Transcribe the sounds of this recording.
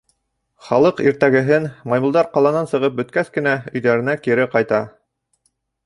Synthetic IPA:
χɑlˠɤqiɾt̪æɡɘ̆ɦɘnmɑjmulˠd̪ɑɾqɑlˠɑnɑnsɤ̆ʁɤp̚bɵ̆t̪̚kæθkɘ̆næɵ̆jðæɾɘ̆nækiɾɘqɑjt̪ɑ

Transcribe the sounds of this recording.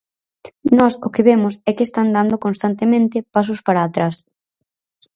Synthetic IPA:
nɔsʊkɪβemʊsɛkest̪and̪and̪okõnst̪ant̪emẽnt̪ɪpas̬ʊspaɾaːt̪ɾas

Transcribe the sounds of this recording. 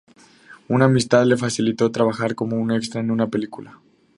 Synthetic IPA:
unaːmist̪aðle̞fasilit̪o̞t̪ɾaβaxaɾko̞mo̞une̞kst̪ɾaenunape̞likula

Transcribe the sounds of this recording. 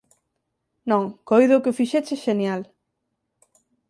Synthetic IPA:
nõŋkojðʊkɪofiʃɛt͡ʃɪʃenjal

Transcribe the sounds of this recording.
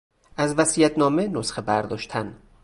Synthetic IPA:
ʔæzvæsijæt̪ʰnɒːme̞nosxebæɾd̪ɒːʃt̪ʰæn

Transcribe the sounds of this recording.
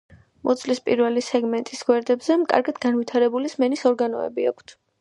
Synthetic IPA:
mʔɔ̰d̪zʰʼlispʼiɾvɛlisɛɡmɛnt̪ʼisɡwɛɾd̪ɛbzɛmkʼa̰ɾɡad̪ɡanvit̪ʰaɾɛbulismɛnisɔɾɡanɔ̰ɛ̰bia̰kʷʰt̪ʰ

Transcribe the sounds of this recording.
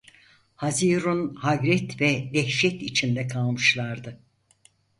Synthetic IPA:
haziɾunhaɡɾɛt̪vɛd̪ɛhʃɛt̪it͡ʃʰind̪ɛkʰalˠmɯʃlˠaɾd̪ɯ

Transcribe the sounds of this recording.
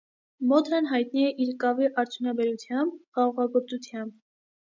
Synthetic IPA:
mɔt̪ʰɾənɦɑjt̪niɛʔiɾkɑviʔɑɾt͡sʰjunɑbɛɾut͡s̪ʰjɑmb̚χɑʁɑʁɑɡɔɾt͡sut͡sʰjɑmb̚

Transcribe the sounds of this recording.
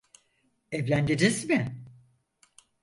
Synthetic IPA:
ɛvlʲænd͡ʒid͡ʒizmɪ

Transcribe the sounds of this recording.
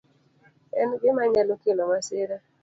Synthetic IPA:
ɛnɡɪmaɲalokelomaseɾa

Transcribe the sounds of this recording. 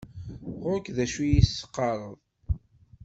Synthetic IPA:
ʁʊkðæʃujisːə̥qːɑɾˤəðˤ

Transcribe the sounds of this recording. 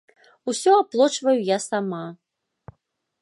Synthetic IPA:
usʲɔaplˠɔt͡ʂvɐjujasama

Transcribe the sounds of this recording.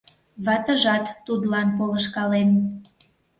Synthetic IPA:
βɑt̪əʒɑt̪ːud̪lɑnpoləʃkɑlen

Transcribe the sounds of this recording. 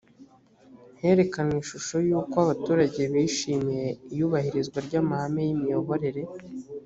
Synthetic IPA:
n̥he̞ɾe̞kaniʃuʃo̞juːkoaβatuːɾaɟe̞βiʃiːmije̞ijuːβahiɾizɡwaɾɟaːmahamejimijo̞βo̞ɾe̞ɾe̞

